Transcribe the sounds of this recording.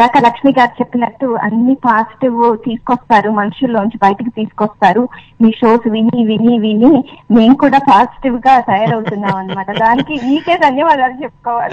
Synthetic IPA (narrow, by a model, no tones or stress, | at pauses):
laːkɐlɐkʂmiːɡaːɾit͡ʃe̞pːinɐʈːuɐ̰nːipaːsi̥ʈiʋt̪iːsu̥kɔst̪aːɾumɐnuʂulːoːuɲt͡ʃibɐjɐʈɐkit̪iːsu̥kɔst̪aːɾu | miːʂo̞ːsʋiniʋiliʋinime̞ːmukuːɽaːpaːsi̥ʈiʋɡaːt̪ɐjɐɾɐwt̪unːaːmɐnːimɐʈɐd̪aːnikimiːke̞ːsɐnjɐʋaːd̪aːlit͡ʃe̞pːu̥kɔːʋaːli